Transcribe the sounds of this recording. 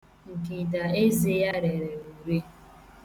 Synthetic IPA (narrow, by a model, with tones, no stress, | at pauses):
ŋ̩˨ki˨da˨e˦ze˦ja˦ɾe˨ɾe˨u˨ɾi˦